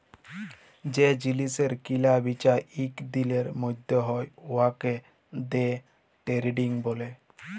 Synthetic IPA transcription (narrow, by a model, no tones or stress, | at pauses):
d͡ʒed͡ʒiliseɾkilabit͡ʃaɾikd̪ileɾmojd̪ʱɔɦɔjoake | d̪e | ʈeɾiɖiŋbole